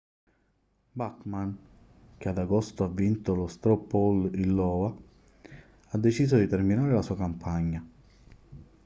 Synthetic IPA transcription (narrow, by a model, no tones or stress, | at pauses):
bakman | k̟ead̪aɡɔst̪oavːint̪olost̪ɾɔpːɔlilːɔːva | ad̪ːet͡ʃiːzod̪it̪erminaːɾelasuːakampʰaɲːa